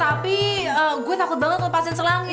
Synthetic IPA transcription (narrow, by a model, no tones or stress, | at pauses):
t̪apiəɡuat̪akʊt̪̚baŋət̪̚kapasɪt͡ʃəlaŋ